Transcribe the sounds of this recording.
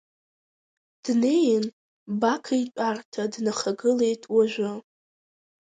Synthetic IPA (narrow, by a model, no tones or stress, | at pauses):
d̥ne̞jɪn | bakʰait͡ʃʷʼartʰadnaχaɡɨle̞jtʼwaʒᶣʷʊ